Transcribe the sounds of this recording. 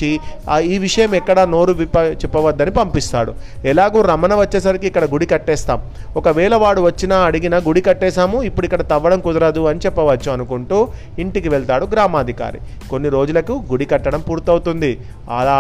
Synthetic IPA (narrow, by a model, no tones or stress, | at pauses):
iiːʋiʂɐjɐmɛkːɐɽɐno̞ːɾuʋipɐt͡ʃɛpːɐʋɐd̪ːɐnipɐmpist̪a̰ːɽṵɛlaːɡuːɾɐmɐnɐʋɐt͡ʃːeːs̬ɐɾikiikːɐɽɐɡuɽikɐʈːɛːst̪a̰ːm | ɔkɐʋɛːɭɐʋaːɽuʋɐt͡ʃːinɐɐɽiɡinɐɡuɽikɐʈːɛːʃaːmuipːuɽuikːɐɽɐt̪ɐʋːɐɽɐmkud̪ɐɾɐd̪uɐnit͡ʃɛpːɐʋɐt͡ʃːuɐnukuɳʈuː | iɳʈikiʋeɭt̪aːɽuɡɾaːmaːd̪ʱika̰ːɾḭ | ko̞nːiɾo̞ːd͡ʒulɐkuɡuɽikɐʈːɐɽɐmpuːɾt̪ɐwt̪und̪i | ɐ̰aː